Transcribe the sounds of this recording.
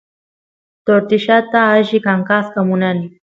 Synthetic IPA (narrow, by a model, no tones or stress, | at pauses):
t̪oɾt̪ɪʃat̪aːʒɪkaŋkaskamʊnanɪ